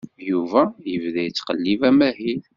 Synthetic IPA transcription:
juvæjəvðæjt͡sːqəlːivæmæɦil

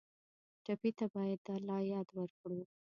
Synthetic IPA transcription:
ʈapit̪abɑjad̪ːalɑjɑd̪wəɾkɽu

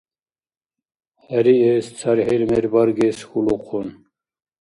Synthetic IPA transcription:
hɛɾiest͡sʰɑɾhiɾmeɾbɑɾɡesxuluqʰun

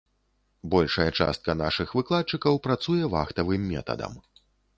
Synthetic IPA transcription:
bɔlʲʂɐjɛt͡ʂa̰st̪̚kɐnaʂɨxvɨklˠat̪̚t͡ʂɨkɐwpɾat̪sujɛva̰xt̪ɐvɨmːʲɛ̰t̪ɐ̰d̪ɐ̰m

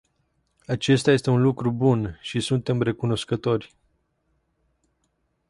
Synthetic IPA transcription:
at͡ʃe̞st̪aje̞st̪e̞unlukɾubunʃisunt̪e̞mre̞kuno̞skət̪o̞rʲ

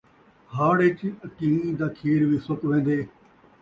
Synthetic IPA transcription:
haːɽɪt͡ʃəkiːid̪aːkʰiːɾʋiːsʊkʋẽːnd̪eː

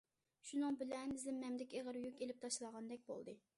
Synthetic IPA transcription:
ʃunɨŋbɪlɛnzɪmːɛmd̪ɪkʲeʁəɾjykʲelɪp̚t̪ʰɑʃlˠɑʁɑnd̪ɛk̚ʲbo̰lˠd̪ɨ

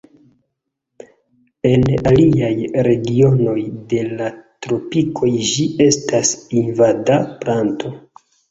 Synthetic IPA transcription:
e̞naliajɾe̞ɡio̞no̞jde̞latɾo̞pikʰo̞jʒie̞stasinvadaplanto̞

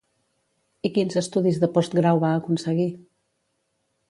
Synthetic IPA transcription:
ikinzəst̪uðizðəpɔst̪ɡɾawβaəkunsəɣi

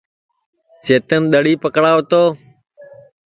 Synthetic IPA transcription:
t͡ʃʰeːt̪ənɗ̪əɽiːpəkɽaːot̪oː

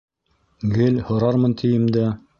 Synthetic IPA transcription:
ɡɘlhŏɾɑɾmɤnt̪ʰĭjɘ̆md̪æ

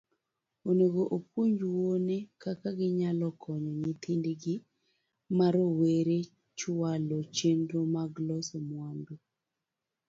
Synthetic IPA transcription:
onoɡoʔopwoɲd͡ʒuwonekakaɡɪɲalɔkʰɔɲɔɲit̪ʰindeɡɪ | maɾoweɾe | t͡ʃʊalɔt͡ʃendɾomaɡlɔsɔmwando

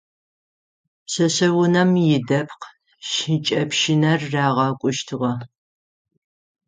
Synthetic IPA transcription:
ɕɐɕɐwʊnɐmjɪdɐpʰq | ʃɪt͡ʃʼɐpʃɪnɐrːaːʁɐkʷʼʊʃtʰɨʁɐ

